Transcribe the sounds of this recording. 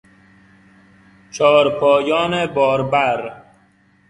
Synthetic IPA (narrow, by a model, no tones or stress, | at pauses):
t͡ʃʰɒːɾpʰɒːjɒːnebɒːɾbæɾ